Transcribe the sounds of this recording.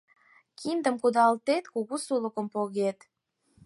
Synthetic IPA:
kʰind̪əmkud̪ɑlt̪et̪kuɣusuləkəmpoɣet̪

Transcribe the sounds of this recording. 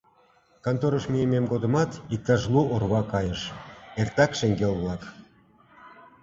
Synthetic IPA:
kɑnt̪oɾəʃmijememɡod̪ə̆mɑt̪ik̚t̪ɑʒluʔorβɑkɑjəʃert̪ɑkʃeŋɡelβlɑk

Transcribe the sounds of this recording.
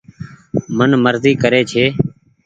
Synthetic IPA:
mənməɾziːkəɾeːt͡ʃʰeː

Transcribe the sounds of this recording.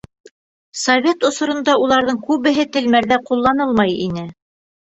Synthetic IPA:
sɐvʲet̪ŏsŏɾŏnd̪ɑulˠɑɾðɤɴkʉβɘ̆ɦɘt̪ɘ̆lmæɾðæqulˠːɑnɤlˠmɑjḭnɘ

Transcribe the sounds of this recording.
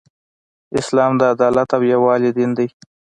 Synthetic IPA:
ɪslɑːmd̪əad̪ɑlat̪awjawɑlɪd̪ind̪əj

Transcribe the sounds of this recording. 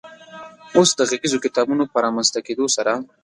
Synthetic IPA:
osd̪əɣiɡizokɪt̪ɑbunopəɾɑmanzt̪aked̪osaɾa

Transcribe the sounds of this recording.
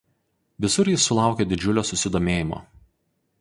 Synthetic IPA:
ʋʲɪsʊɾjɪsːʊlˠɑˑʊkʲed̪ʲɪd͡ʒʲʊlʲoːsʊsʲɪd̪oːmʲeːjɪmo̰ː

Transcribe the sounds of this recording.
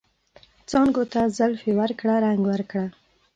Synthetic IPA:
t͡sɑŋɡot̪azalfewəɾkɽaɾaŋɡwəɾkɽa

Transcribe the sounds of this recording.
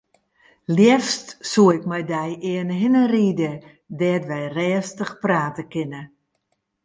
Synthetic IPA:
ljɛfstsuəɪkmɛjdɛjɪənɦɪnəriːdə | dɛːtʋɛjrɛːstəxpraːtəkɪnə

